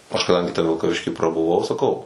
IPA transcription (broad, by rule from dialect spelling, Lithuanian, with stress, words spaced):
ˈɐʃ kɐˈdɐŋʲɡʲɪ tʲɛ ʋʲɪlˠkɐˈʋʲɪʃʲkʲiː prɐbʊˈʋɐʊ sɐˈkɐʊ